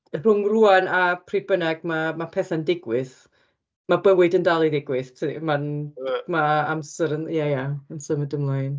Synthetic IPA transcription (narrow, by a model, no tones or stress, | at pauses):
r̥ʊŋruanapʰribənɛɡ̥̚mamapʰɛθandɪɡwɨθ | mabɛnwɛɨdəndalˠiðɪɡwɨθtʰmanmaamsəɾənjajaamsəɾmədəmlˠajn